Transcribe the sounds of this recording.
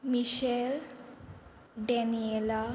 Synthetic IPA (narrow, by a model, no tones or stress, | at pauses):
miʃel | ɖeniela